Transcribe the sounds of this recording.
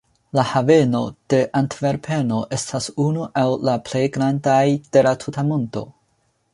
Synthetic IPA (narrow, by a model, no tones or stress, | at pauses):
lahave̞no̞d̥e̞ʔantve̞ɾpʰe̞no̞ʔe̞stʰasunuʔawlaple̞jɡɾandajd̥e̞latʰutamo̞ndo̞̰